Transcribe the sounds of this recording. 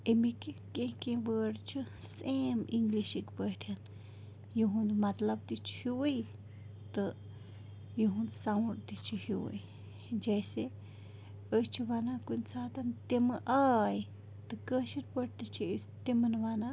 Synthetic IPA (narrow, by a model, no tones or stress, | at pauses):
emĩkekẽkẽbəɾt͡ʃusʔẽmʔiŋɡliʃikpeɾan | juɦũnd̪mat̪labt̪it͡ʃi̥hjuwi | t̪ə | juɦũnd̪sawɾt̪it͡ʃihiwḭ | d͡ʒese | əjt͡ʃiβanãkʷint͡sat̪at̪emə̃ʔaj | t̪əkəʃiɾpʷeɾt̪at͡ʃi | t̪emənaβanã